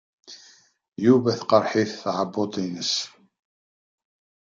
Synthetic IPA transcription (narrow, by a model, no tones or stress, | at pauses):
juvæθqɑɾˤħiθθʕəbːot̪ˤinəs